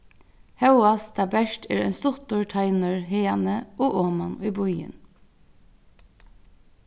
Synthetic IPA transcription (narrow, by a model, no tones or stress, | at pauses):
hɑʉʊɑst̪ʰɑbæʃt̪ḛːɾæ̰ːnst̪ʊt̪ʊɹʈʰɑɪnəɹheːɑnəʔoːʔoːmɑnyːbʊʏə̰n